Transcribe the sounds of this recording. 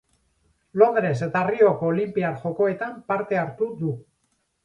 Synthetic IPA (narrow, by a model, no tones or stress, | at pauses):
lo̞nd̪ɾe̞s̬e̞t̪ario̞koːlimpiaɾʝo̞ko̞e̞t̪ampaɾt̪e̞aɾt̪uðu